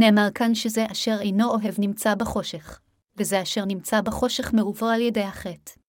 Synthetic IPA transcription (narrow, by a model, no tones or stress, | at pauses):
ne̞ːmaʁkanʃezeʔaʃe̞ʁejno̞oɦe̞vnimt͡sabeχo̞ʃe̞χ | vezeaʃe̞ʁnimt͡sabaχo̞ʃe̞χmeuvoaljedejhaχet